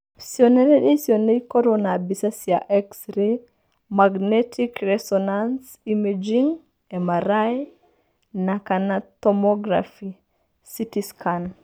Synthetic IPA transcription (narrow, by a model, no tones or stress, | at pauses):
sioneɾɛdesionekoɾonabisasia̰ʔɛksɾe | maɡnetʰikɾɛsɔnans | imed͡ʒiŋ | emaɾaj | nakanatɔmɔɡɾa̰fi | sitiskan